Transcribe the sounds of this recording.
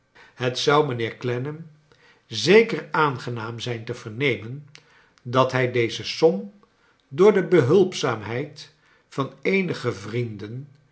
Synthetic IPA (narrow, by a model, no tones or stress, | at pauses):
ɦətsʌwmənɪːɹklɛnəm | zejkəraːnχənaːmzɛjntəvəɹnejmən | dɑtɦɛjdejzəsɔm | dʊːɹdəbəɦɵlˠpsaːmɦɛjt | fɑnejnəχəvrindən